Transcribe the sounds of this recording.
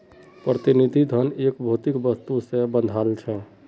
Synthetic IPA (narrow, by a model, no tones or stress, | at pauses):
pɾət̪inid̪ʱid̪ʱənekbʱut̪ikbəst̪usẽbə̃nd̪ʱalt͡ʃʰɛ